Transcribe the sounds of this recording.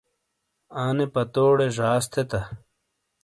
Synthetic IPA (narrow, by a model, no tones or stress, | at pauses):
aːnepɐt̪oːɽeʐaːst̪ʰet̪ɐ